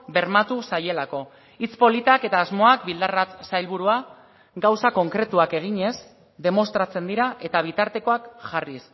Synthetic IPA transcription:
be̞ɾmat̪usaje̞lako̞ | it͡spo̞lit̪ake̞t̪aːzmo̞akbild̪arat̪sajlβ̞uɾua | ɡawsako̞ŋkɾe̞t̪uake̞ɣ̞iɲe̞s | d̪e̞mo̞st̪ɾat͡se̞nd̪iɾaʔe̞t̪aβ̞it̪aɾt̪e̞ko̞akʝaris

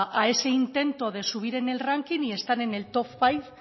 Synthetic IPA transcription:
ʔae̞se̞int̪e̞nt̪o̞ð̞e̞suβ̞iɾe̞ne̞lraŋkinie̞st̪ane̞ne̞lt̪o̞pbajt

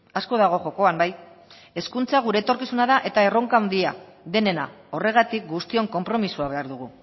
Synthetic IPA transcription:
asko̞ð̞aɣ̞o̞ʝo̞ko̞ambaj | e̞skunt͡saɣ̞uɾe̞ːt̪o̞ɾkisunaðaʔe̞t̪ae̞ro̞ŋkawnd̪iaðe̞ne̞na̰o̞re̞ɣ̞at̪ik̚ɡust̪io̞ŋko̞mpɾo̞misuaβ̞e̞aɾðuɣ̞u

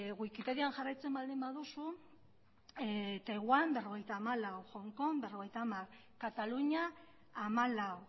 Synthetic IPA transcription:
ɣwikipe̞ðianʝarajt͡se̞mbald̪imbað̞usu | t̪e̞ɣwambero̞ɣ̞e̞jt̪amalawɣo̞ŋko̞mbe̞ro̞ɣ̞ejt̪amar | kat̪aluɲaː | malaw

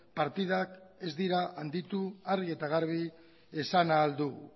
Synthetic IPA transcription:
paɾt̪iðake̞zd̪iɾaʔand̪it̪uaɾɣie̞t̪aɣaɾβ̞i | e̞sanaːld̪uɣṵ

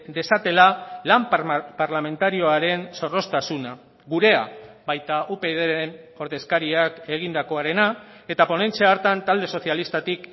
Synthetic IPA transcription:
d̪e̞sat̪e̞lalamppaɾlame̞nt̪aɾio̞aɾe̞nso̞ro̞st̪asuna | ɣuɾe̞a̰ | bajt̪aʔupe̞ðeɾen | o̞ɾðe̞skaɾiake̞ɣ̞ind̪ako̞aɾe̞na | e̞t̪apo̞ne̞nt͡seaoɾt̪ant̪ald̪e̞so̞θjalist̪at̪ik

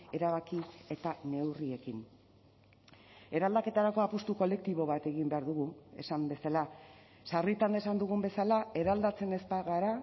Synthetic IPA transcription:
e̞ɾaβakie̞t̪ane̞wrie̞kin | e̞ɾald̪ake̞t̪aɾako̞apust̪uko̞le̞k̚t̪iβ̞o̞βat̪e̞ɣimbe̞aɾðuɣue̞̰sambe̞sala | sarit̪ane̞sand̪uɣ̞umbe̞salae̞ɾald̪at͡se̞ne̞spaɣaɾa

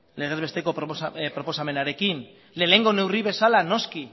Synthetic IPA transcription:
le̞ɣ̞ezβe̞st̪e̞ko̞pɾospɾo̞po̞same̞naɾe̞kin | le̞le̞ŋɡo̞ne̞wriβ̞e̞salano̞ski

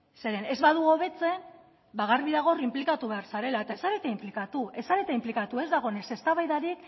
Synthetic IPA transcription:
se̞ɾe̞ne̞zβaðuo̞β̞e̞t͡se̞n | baɣarβiðaɣ̞o̞rimplikat̪uβe̞aɾsaɾe̞laet̪aesaɾe̞t̪aimplikat̪ue̞saɾet̪eimplikat̪ue̞zd̪aɣ̞o̞ne̞se̞st̪aβajðaɾik

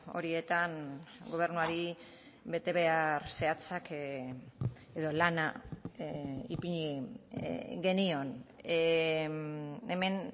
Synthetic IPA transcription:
o̰ɾie̞t̪anɡo̞β̞e̞ɾrnuaɾi | be̞t̪e̞βe̞aɾse̞at͡sak | e̞ðo̞lana | ipiɲi | ɡe̞nio̞n | e̞me̞n

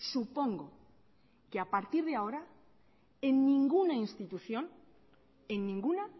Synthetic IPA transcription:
supõ̞ŋɡo | keapaɾt̪iɾðeaoɾa | ennĩŋɡunainst̪it̪uθjõ̞n | eŋnĩŋɡuna

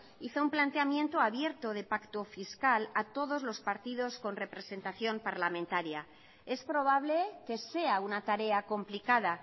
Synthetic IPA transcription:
iθoumplant̪eamjẽ̞nt̪oaβje̞ɾt̪o̞ð̞e̞pakt̪o̞fiskalat̪o̞ðo̞zlo̞spaɾt̪iðo̞sko̞nre̞pɾe̞se̞nt̪aθjo̞mpaɾlamẽnt̪aɾja | e̞spɾo̞β̞aβ̞le̞ke̞se̞aunat̪aɾe̞ako̞mplikað̞a

